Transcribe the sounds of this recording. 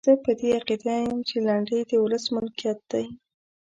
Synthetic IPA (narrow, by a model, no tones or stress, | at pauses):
əpəd̪eaqid̪ajəmt͡ʃelaɳɖəjd̪əwʊləsmʊlkijɑt̪̚d̪̥aj